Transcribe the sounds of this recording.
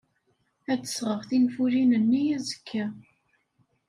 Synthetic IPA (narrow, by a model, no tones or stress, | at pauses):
æt͡sːə̥sʁəʁθinfuɾinənːijæzəkʰːæ